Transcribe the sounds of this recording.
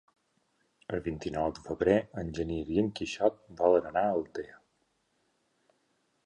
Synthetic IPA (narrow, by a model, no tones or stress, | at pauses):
əlˠβint̪inɔwd̪əfəβɾeənʲʒəniɾjəŋkiʃɔt̪̚bɔlənənaəlˠt̪eə